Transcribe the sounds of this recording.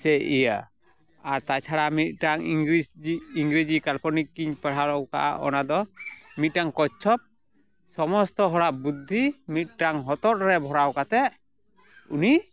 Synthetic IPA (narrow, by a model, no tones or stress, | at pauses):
sɛʔija | aɾt̪at͡ʃʰaɽamit̪̚ˀʈaŋiŋɾisiiŋɡɾid͡ʒikalpɔnikːiɲpaɽ̤aɾɔwka̰ʔa̰ʔɔ̰nad̪ɔmit̪̚ʈaŋkɔt͡ʃʰɔp̚ | sɔmɔst̪ɔɦɔɽabud̪ʱːimit̪̚ˀʈaŋɦɔt̪ɔɾ̚ɾɛbʱɔɾawkat̪ɛ | ṵni